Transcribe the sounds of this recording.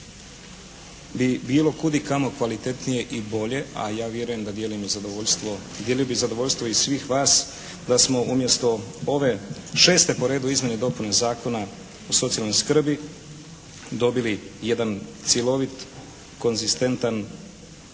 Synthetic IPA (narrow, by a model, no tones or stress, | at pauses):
bibiːlo̞kud̪ikamokʋalit̪e̞t̪nije̞ʔibo̞ʎe̞a̰jaːʋje̞ɾuje̞md̪ad̪je̞limizad̪ooʎst̪ʋod̪jelijobizad̪o̞ʋo̞ʎʲst̪vʋo̞isʋiːxʋaːs | d̪asmo̞umje̞st̪o̞oʋe̞ʃe̞ːst̪e̞po̞ɾe̞ːd̪uizmjened̪o̞punazaːko̞na | oso̞t̪sialnojskr̩bi | d̪o̞bilije̞d̪ant̪sjelo̞ʋit̪ | ko̞nzist̪e̞nt̪an